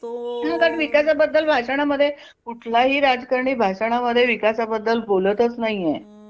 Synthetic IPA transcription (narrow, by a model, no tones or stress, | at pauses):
t̪oakaʈʋikasabəd̪ːəlbʱaʂaɽ̃aməd̪ʱːje | kuʈʰlaɦiːɾad͡zkəɾɳiːbʱaʂaɽ̃aməd̪ʱːjeʋikasabəd̪ːəlbolət̪ət͡snaɦije